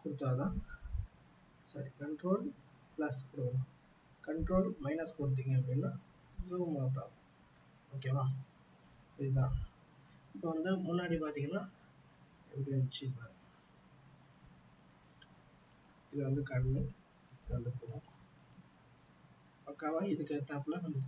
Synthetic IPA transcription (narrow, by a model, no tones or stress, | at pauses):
kʊɽɯt̪ːaːt̪ãː | sɐɾikɐɳʈɾoːl | plɐspʊɽɯ̃ | kɐɳʈɾoːlmɐɪnɐskʊɽɯt̪̬ːiːŋɡɐɐpːɐɽinːaː | ɯʋɐmɐɐʈ̬ːa̰ːk | oːkːemãː | ɐðit̪̬ãː | ɪpːoːʋɐnd̪ɯmʊnːaːɽipaːɾt̪iːŋɡɐnaː | ɛ̰ʋɪɽit͡ʃːipaːɾɯ | ɪðɐʋɐnd̪ɯkɐɾmi | ɪðʋɐnd̪ɯpːoũ | ɐkːaːʋaːlɪðɯkːet̪ːaːpːlaːʋɐnd̪ɯ